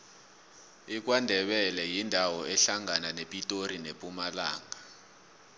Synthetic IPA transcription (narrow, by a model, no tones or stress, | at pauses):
ik̬wandʱɛɓɛlɛjindʱawɔɛɬaŋananepʼitʼoɾinepʼumala̰ːŋa